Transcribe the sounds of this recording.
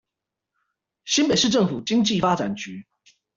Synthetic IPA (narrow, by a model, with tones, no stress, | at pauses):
ɕi˥npe˨˩ɪʂɻ̩˥˧ʈ͡ʂɤ˥˩ŋfu˨˩t͡ɕi˥ŋt͡ɕi˥˩fa˥ʈ͡ʂa˨˩nt͡ɕy˧˦˥